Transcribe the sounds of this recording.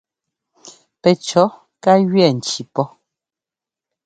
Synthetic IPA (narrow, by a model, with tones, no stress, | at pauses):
pɛ˨t͡ʃɔ˨˦ | ka˦ɣɥɛ˦˨n̩˨t͡ʃi˨pɔ˦